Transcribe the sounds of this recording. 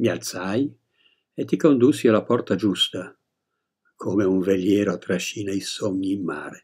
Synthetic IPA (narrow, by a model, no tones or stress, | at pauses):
mialt̪saj | et̪ːikond̪usːialapɔrt̪ad͡ʒust̪a | kʰoːmeuɱvelːjɛːɾoat̪ɾaʃːiːnaisoɲːiːmːaːɾe